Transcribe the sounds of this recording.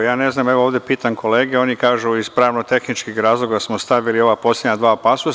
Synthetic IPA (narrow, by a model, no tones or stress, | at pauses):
jaːne̞znaːmeʋooːʋd̪epit̪aŋkʰo̞le̞ːɡeo̞ːnikaːʒuispɾaːʋnot̪e̞xnit͡ʃkixɾaːzlˠo̞ɡasmost̪aʋilio̞ʋapo̞slʲjed̪ɲad̪ʋaːpasus